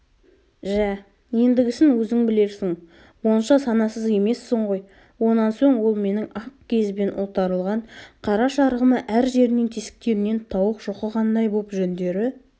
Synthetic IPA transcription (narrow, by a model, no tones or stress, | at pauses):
ʒæ | je̞nd̪ɪɡʲɪsɪŋwɵzɪŋbɪle̞ɾsɪŋ | wo̞nəʃɑsɑnɑsəze̞me̞sːəɴʁo̞j | wo̞nɑnso̞ɴwo̞lˠme̞nɪŋɑqkʲʰe̞zbe̞nʔot̪ɑɾəlˠʁɑɴqʰɑɾɑʃɑɾʁəməʔæɾʒe̞ɾɪnɪŋt̪ʲʰesɪ̥k̚t̪e̞ɾɪne̞nt̪ʰɑwəqʒ̥oqəqʰɑnd̪ɑjbopʒɵnd̪e̞ɾɪ